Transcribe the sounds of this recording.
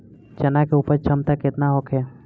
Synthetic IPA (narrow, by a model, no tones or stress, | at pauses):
t͡ʃənakeupəɾt͡ʃʰəmt̪aket̪naɦokʰɦɛ